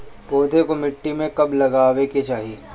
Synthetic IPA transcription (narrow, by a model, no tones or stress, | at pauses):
poːt̪ekomɪʈːimẽkɐblɐɡaːʋeket͡ʃaːɦie